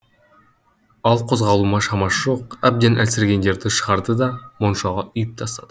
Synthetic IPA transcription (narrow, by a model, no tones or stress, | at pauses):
ɑlˠqʰo̞zʁɑlˠuːmɑʃɑmɑʃuqab̚d̪enʔælsɪɾɡʲe̞nd̪e̞ɾd̪ɪʃɯʁɑɾd̪ɯd̪ɑmonʃɑʁɑyjyp̚t̪ʰɑst̪ɑd̪